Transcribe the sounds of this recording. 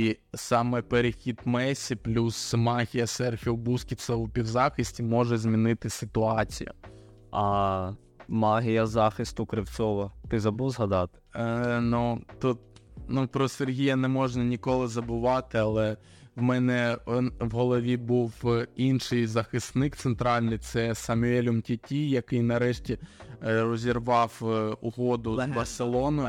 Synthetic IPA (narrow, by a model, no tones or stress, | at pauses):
isɑmɛpeɾɪxʲid̪mɛsʲiplʲusmɑɦʲijɐsɛrxʲiʊbuskʲisɛʊpʲiwzɑxɪsʲtʲimɔʒɛzʲmʲinɪt̪ɪsɪt̪ʊɑt͡sʲḭjʊ̰ | ɐ | mɑɦʲijɐzɑxɪst̪ʊkɾɪwt͡s̪ʲɔʋɐt̪ɪzɐbuwzɦɐd̪ɑt̪ɪ̥nut̪ut̪̚nupɾɔserɦʲijɐnɛmɔʒnɐnʲikɔlˠɪzɐbʊʋɑt̪ɪɐlˠɛ | wmɛnɛwɦɔlˠɔʋʲibuwinʃɪjzɐxɪst̪nɪkt̪sent̪ɾɑlʲnɪjt̪sɛsɐmʊɛlʲʊmtʲitʲijɐkɪjnɐɾɛʃtʲirɔzʲirʋɑwʊɦɔd̪ʊbɐrselˠɔnʊ